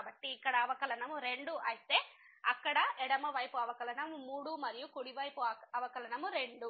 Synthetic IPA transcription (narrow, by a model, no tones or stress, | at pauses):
bɐʈːiːkːɐɽɐːʋɐkɐlɐnɐmuɾe̞ɳɖuʔɐjit̪e̞ː | ɐkːɐɽɐɛɽɐmɐʋɐjpuɐʋɐkɐlɐɳɐmːuːɽumɐɾijukuɽiʋɐjpuɐɐʋɐkɐlɐnɐmuɾe̞ɳɖu